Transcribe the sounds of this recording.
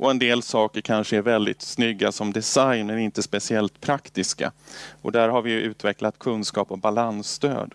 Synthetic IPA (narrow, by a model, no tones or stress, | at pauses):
ʔɔɛnd̪eːlsɑːkəɾkʰanʂəæɾvɛld̪ɪ̰t̪snʏɡːasɔmd̪ɛsajnmɛnɪnt̪əspɛsɪɛlt̪pʰɾakt̪ɪska̰ʔɔ̰d̪æɾɦaɾvɪjɵʔʉ̟ːt̪vɛklat̪kʰɵnskɑːpɔbalanst̪ø̰ːd̪